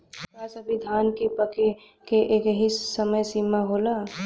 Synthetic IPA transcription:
aːsɐbɪd̪ʱaːnkepəke | keʔeːkɦisəməjsiːmaɦoːlaː

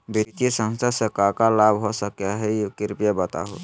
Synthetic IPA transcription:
bit̪esə̃ŋsasekakalabɦosəkjaɦɛjokiɾpjebət̪a̰ɦo̰t̪

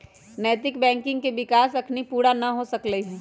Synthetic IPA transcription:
nɛːt̪ɪkbɛ̃ːŋkɪ̃ŋɡkeʋɪkaːsɐkʰnipuːɾanɐɦosɐkləɦɛ

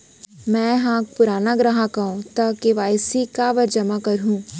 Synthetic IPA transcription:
mɛ̃ːɦãːk̚pʊɾaːnaɡɾaɦakaõt̪ɐkeʋaːjsikaʋɐɾd͡ʒɐmakɐɾɦũː

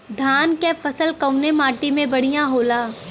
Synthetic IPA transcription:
d̪ʱaːnkefɐsəlkɐwʊnemaːʈimẽbɐɽ̤ijãɦoːlaː

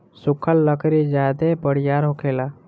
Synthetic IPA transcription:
sʊkʰəlːəkɾid͡ʒaːd̪ebəɽ̤jaːɾɦokʰeːlaː

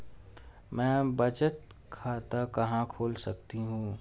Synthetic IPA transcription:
mɛ̃ːbət͡ʃət̪ | kʰaːt̪akɐɦãkʰoːlsɐk̚t̪iɦũː

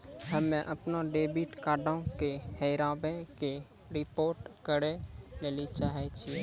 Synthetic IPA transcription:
ɦəmẽʔəpnoɖeːbiʈkaːɖõkehəɪɾãbẽke | ɾɪpoːɾʈkəɾeleːlit͡ʃaːɦɛt͡ʃʰi

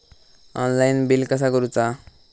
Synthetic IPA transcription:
ʌnlajnbilkʌsakoɾut͡sa

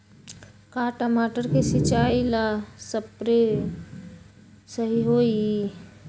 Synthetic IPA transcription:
kaːʈəmaːʈəɾkesɪt͡ʃaːilasəpɾe | səɦiɦoːi

